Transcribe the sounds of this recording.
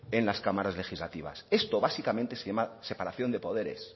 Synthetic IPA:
e̞nlaskamaɾazle̞xizlat̪iβ̞a̰se̞st̪o̞βasikament̪esejamase̞paɾaθjo̞nd̪e̞po̞ð̞e̞ɾe̞̰s

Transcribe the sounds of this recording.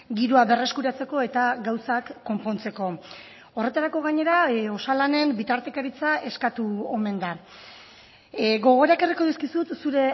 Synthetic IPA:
ɡiɾuaβe̞re̞skuɾat͡se̞ko̞e̞t̪aɡawsakːo̞mpo̞nt͡se̞ko̞ | o̞re̞t̪aɾako̞ɣ̞aɲe̞ɾao̞salane̞mbit̪aɾt̪ekaɾit͡saʔe̞skat̪uo̞me̞nd̪a | ɣo̞ɣ̞o̞ɾakeriko̞ðiskisut̪suɾe̞

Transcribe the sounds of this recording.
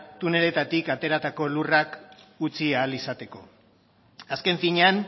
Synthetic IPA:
t̪une̞le̞t̪at̪ikat̪e̞ɾat̪ako̞lurakut͡siaːlisat̪e̞ko̞̰ | aske̞ɱfiɲean

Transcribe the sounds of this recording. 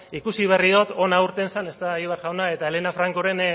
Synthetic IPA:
ikusiβ̞e̞riðot̪o̞nauɾt̪e̞nsane̞st̪aiβaɾɣawnae̞t̪aele̞nafɾaŋko̞ɾe̞n

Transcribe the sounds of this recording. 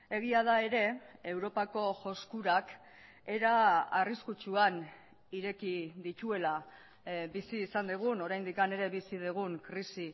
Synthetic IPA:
e̞ɣ̞iað̞ae̞ɾe̞e̞wɾo̞pako̞ʝo̞skuɾak | e̞ɾaariskut͡ʃuan | iɾe̞kiðit̪ue̞la | bisiːsand̪eɣ̞uno̞ɾajnd̪ikane̞ɾe̞βisiðeɣ̞uŋkɾisi

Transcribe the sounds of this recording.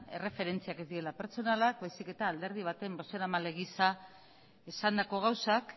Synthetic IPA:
e̞re̞fe̞ɾe̞nt͡siake̞zd̪iɾe̞lape̞ɾt͡so̞nalakbajsike̞t̪aːld̪e̞ɾð̞iβ̞at̪e̞mbo̞seɾamale̞ɣisa | esand̪ako̞ɣ̞awsak

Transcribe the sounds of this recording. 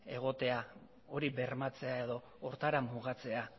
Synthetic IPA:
e̞̰ɣ̞o̞t̪e̞a | o̞ɾiβeɾmat͡se̞ae̞ðo̞ːɾt̪aɾamːuɣat͡se̞a

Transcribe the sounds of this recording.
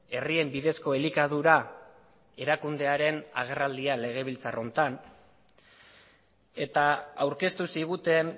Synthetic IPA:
e̞rie̞mbiðe̞sko̞elikaðuɾa | e̞ɾakund̪e̞aɾe̞na̰ɣ̞e̞rald̪iale̞ɣ̞e̞β̞ilt͡saro̞nt̪an | e̞t̪aawɾke̞st̪usiɣ̞ut̪e̞n

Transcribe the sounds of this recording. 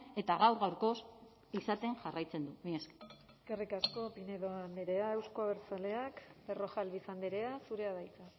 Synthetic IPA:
e̞t̪aɣ̞awɾɣawɾko̞s | isat̪e̞ŋʝarajt͡se̞nd̪umieske̥ | ekerikasko̞pineðoaand̪eɾe̞ae̞wskoaβeɾt͡sale̞akbe̞ro̞xalβisand̪eɾe̞asuɾe̞aðajt͡sa

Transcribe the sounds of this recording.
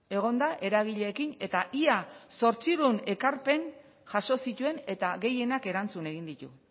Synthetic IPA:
e̞ɣ̞o̞nd̪aʔe̞ɾaɣ̞iʎeːkine̞t̪aʔiaso̞ɾt͡siɾune̞kaɾpe̞n | ʝaʃo̞sit̪ue̞ne̞t̪aɣe̞je̞nake̞ɾant͡sune̞ɣ̞ind̪it̪ṵ

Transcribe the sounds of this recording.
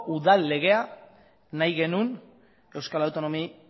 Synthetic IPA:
uðalːe̞ɣ̞e̞a | najɣe̞nun | e̞wskalawt̪o̞no̞mi

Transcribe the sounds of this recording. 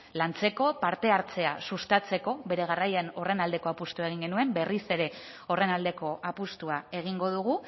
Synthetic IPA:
lant͡se̞ko̞paɾt̪e̞aɾt͡se̞asust̪at͡se̞ko̞be̞ɾe̞ɣ̞arajeno̞re̞nald̪e̞ko̞apust̪uae̞ɣ̞iŋɡe̞nue̞mbe̞rise̞ɾe̞ | o̞re̞nald̪e̞ko̞ʔapust̪uae̞ɣ̞iŋɡo̞ð̞uɣu

